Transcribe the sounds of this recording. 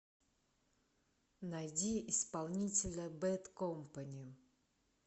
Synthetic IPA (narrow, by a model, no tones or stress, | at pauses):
najdʲiʔɪspɐlˠnʲitʲɪlʲəbɛt̪kompanʲɪjʊ